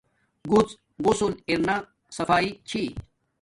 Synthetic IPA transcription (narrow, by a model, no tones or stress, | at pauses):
ɡut͡s | ɡʊsuliɾna | sɐfaːit͡ɕʰi